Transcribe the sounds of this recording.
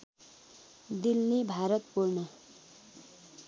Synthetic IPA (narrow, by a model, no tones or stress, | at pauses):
d̪ilnibʱaɾʌt̪̚pulnʌ